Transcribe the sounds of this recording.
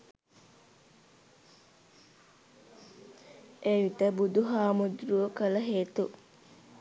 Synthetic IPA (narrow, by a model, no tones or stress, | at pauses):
ʔeːʋit̪əbud̪uɦaːmud̪ɾuʋəkələɦeːt̪u